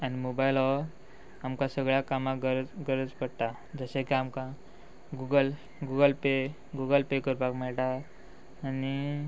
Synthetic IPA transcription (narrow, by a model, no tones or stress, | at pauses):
animobajlɔ | amkãsəɡɭjakamaɡəɾɡəɾəd͡zpəɽt̪a | d͡zəsekiamkã | ɡuɡəl | ɡuɡəlpe | ɡuɡəlpekəɾpakmɛɭʈaː | ni